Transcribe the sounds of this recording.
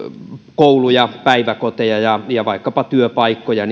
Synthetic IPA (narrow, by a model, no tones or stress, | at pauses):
koulujɑpæiʋækot̪ejɑjɑjɑʋɑikːɑpɑt̪yøpɑikːojɑn